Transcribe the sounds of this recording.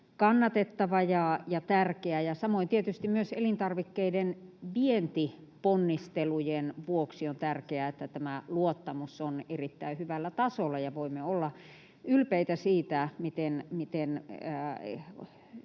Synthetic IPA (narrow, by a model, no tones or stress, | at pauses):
kɑnːɑt̪et̪ːɑʋɑjɑjɑt̪ærkeæjɑsɑmoint̪iet̪yst̪immyøselint̪ɑrʋikːeidenʋient̪i | ponːist̪elujenʋuoksiont̪ærkeæet̪ːæt̪æmæluot̪ːɑmusonerit̪ːæihyʋælːæt̪ɑsolːɑjɑʋoimːeolːɑ | ylpeit̪æsiːt̪æmit̪enmit̪enː